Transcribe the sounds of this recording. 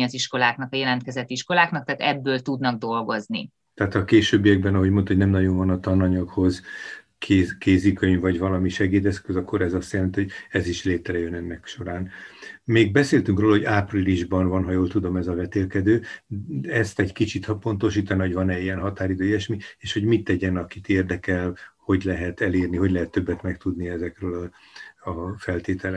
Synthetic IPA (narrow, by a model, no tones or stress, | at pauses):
iɒziʃko̞laːknɒkɒjɛlɛnt̪kɛzɛt̪ːiʃko̞laːknɒk̚t̪aːt̪ɛbːøːlt̪ud̪nɒɡ̚d̪o̞lɡo̞znḭ | t̪ɛaːt̪ɒkeːʃøːbːijɛɡ̚bɛnɒɦo̞ɟmo̞nt̪ho̞ɟnɛmnɒɟo̞ɱvɒnɒt̪ɒnːɒɲɒkho̞z | kʰekeːzikøɲvɒɟvɒlɒmiʃɛɡeːd̪ɛskøzɒkːo̞ɾɛzɒst̪jɛlɛnt̪ihoɟɛziʃleːt̪rɛjønɛnːɛkʃo̞ɾaːnmeːɡ̚bɛseːlt̪yŋkroːlɒɦo̞ɟaːpriliʒbɒnvɒnɦɒjoːlt̪ud̪o̞mɛzɒvɛt̪eːlkɛd̪øː | ɛst̪ɛɟkit͡ʃit̪hɒpo̞nt̪o̞ʃiːt̪ɒniɦo̞ɟvɒnɛijɛnɦɒt̪aːɾid̪øːjiɛʃmieːʃho̞ɟmit̪ːɛɟɛnɒkit̪eːrd̪ɛkɛlho̞ɟlɛɦɛt̪ɛleːrniɦo̞ɟlɛɦɛt̪ːø̞bːɛt̪mɛkt̪ud̪niɛzɛkrøːlɒ | ɒfɛlt̪eːt̪ʰɛlɛ